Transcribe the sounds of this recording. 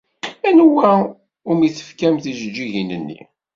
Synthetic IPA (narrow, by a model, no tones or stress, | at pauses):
ænwæ | ʊmiθə̥fkæmθiʒəd͡ʒːiʝinənːḭ